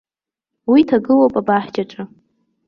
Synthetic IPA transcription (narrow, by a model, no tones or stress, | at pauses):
witʰaɡɨlowpʼabaħd͡ʒaʈ͡ʂʼɨ